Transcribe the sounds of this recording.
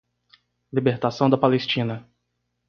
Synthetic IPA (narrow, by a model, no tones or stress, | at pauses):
libeɾt̪asɐ̃w̃d̪ɐpalest͡ʃĩnɐ